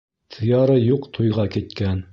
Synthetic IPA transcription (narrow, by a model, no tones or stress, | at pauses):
t̪ʰɤ̆jɑɾɤjuqt̪ʰujʁɑkit̪kæn